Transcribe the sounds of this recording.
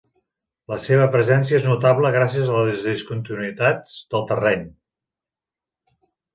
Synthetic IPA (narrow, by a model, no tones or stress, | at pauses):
ləseβ̞əpɾəzɛnsiəeznut̪aβləɣ̞ɾasiəzələzzðiskunt̪inuit̪adzd̪əlˠt̪ərɛɲ